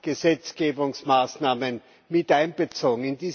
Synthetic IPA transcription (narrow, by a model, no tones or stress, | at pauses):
ɡ̥əzɛt͡sɡ̥eːbʊŋsmaːsnaːmən | mɪtʔãɪ̃nb̥ət͡soːɡŋ̩ɪndiː